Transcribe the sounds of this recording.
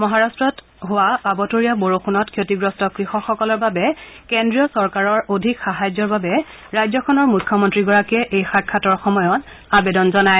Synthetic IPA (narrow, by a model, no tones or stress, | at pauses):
mɔɦaɹastɹɔt | ɦʊwaabɔtoɹijaboɹoxunɔtkʰjotiɡɹɔstɔkɹixɔxɔkɔlɔɹbabɛkendɹijɔsɔɹkaɹɔɹodʱikxaɦajzɔɹbabɛ | ɹajzɔkʰɔnɔɹmukʰːɔmɔntɹiɡɔɹakɛʔejxakʰːatɔɹxɔmɔjɔt | abedɔnzɔnaj